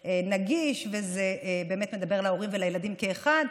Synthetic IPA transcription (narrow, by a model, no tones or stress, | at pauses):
enaɡiʃvezeʔbe̞ːme̞t̪me̞d̪abe̞ʁalao̞ʁimvelajelad̪imke̞ːχad̪